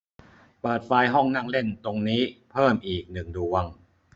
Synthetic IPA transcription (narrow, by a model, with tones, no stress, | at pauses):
pɤː˨˩t̪̚faː˧jɦɔ˥˩ŋna˥˩ŋle˥˩nt̪o˧ŋniː˦˥pʰɤː˥˩mʔiː˨˩k̚nɯ˨˩ŋdu˧əŋ